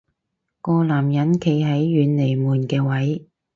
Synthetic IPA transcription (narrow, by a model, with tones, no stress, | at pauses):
kɔː˧laː˨˩mjɐ˨˥nkʰe˨˧jɦɐ˨˥jːyː˨˧nle˨˩jmuː˨˩nkɛː˧wɐ˨˥j